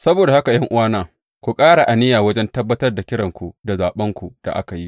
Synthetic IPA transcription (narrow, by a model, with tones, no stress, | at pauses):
sɐ˦boː˨da˨ha˦ka˨jɐ˦ŋʔʊ˦waː˦naː˨ | kʷu˨kʼaː˦ɽa˨ʔa˨nɪ˦jaː˨wɐ˦d͡ʒɛ˦ntɐ˦bːɐ˦tɐ˦rda˨kʲɪ˦ɽɐ˨ŋkʷu˨da˨zaː˨ɓɐ˦ŋkʷu˨d̥a̰˨ʔa̰˦ka˨ji˦ʔ